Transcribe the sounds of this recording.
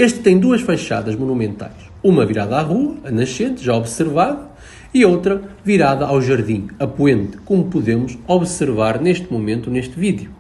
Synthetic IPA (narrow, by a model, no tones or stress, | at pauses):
eʃt̪ɨt̪ːɐ̃j̃d̪uɐʃfɐjʃa̰ðɐʒmunumẽnt̪a̰jʃ | umɐviɾaðɐaʁuɐːnɐʃẽnt̪ʒaɔβsɨɾvaðɐ | iowt̪ɾɐviɾaðɐʔawʒɐɾðĩɐpwẽnt̪ɨ̥komupuðemuʃɔβsɨɾvaɾneʃt̪mumẽnt̪uneʃt̪viðju